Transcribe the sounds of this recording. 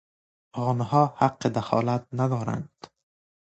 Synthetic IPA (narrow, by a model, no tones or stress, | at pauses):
ɣɔnhɒːhaqːed̪axɒ̰ːlat̪̚nad̪ɒːɾa̰nd̪̥